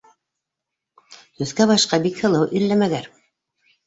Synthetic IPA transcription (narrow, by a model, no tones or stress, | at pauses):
t̪ɵ̆θkæbɑʃqɑbikhɤ̆lˠɤwʔĭɾlːæmæɡæɾ